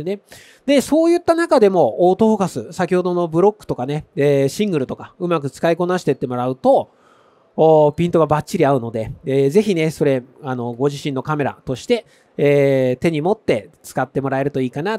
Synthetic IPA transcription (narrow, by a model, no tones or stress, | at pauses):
ne | d̪e̞so̞ːjɯ̟t̪ːanakad̪e̞mo̞ːt̪o̞ɦoɡasɨsakʲiho̞d̪o̞no̞bɯ̟ɾo̞kːɯ̥t̪o̞kaneeːɕĩŋɡɯ̟ɾɯ̟t̪o̞kaɯ̟mak̬ɯ̟t͡sɨ̥kaiko̞naɕi̥t̪e̞t̪ːe̞mo̞ɾaɯ̟t̪o̞ | pʲĩnt̪o̞ɡabat͡ɕɕiɾʲiaɯ̟no̞d̪e̞eːze̞çine̞so̞ɾe̞ano̞ɡo̞ʑiɕĩnːo̞kame̞ɾa̰t̪o̞ɕi̥t̪e̞ː | t̪e̞ɲ̟imo̞t̪ːe̞t͡sɨ̥kat̪ːe̞mo̞ɾae̞ɾɯ̟t̪o̞iːkana